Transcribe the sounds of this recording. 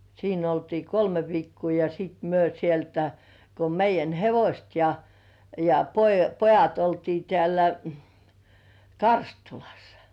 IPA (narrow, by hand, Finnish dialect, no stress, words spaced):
siːn oltiː kolme ʋiːkːuː jɑ siˑt myø sieltæ ko meijˑæn heʋosʲt jɑ jɑ po pojɑt oltiː tĕæˑlæ kɑrstulɑ̥sːɑ̥